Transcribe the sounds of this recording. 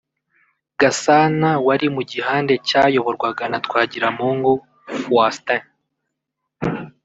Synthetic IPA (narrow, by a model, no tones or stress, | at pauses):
ɡ̥asanawaɾimuɟiɦaːnde̞cajo̞βo̞ɾɡwaɡanatkwaːɟiɾamuːŋɡu | fwasta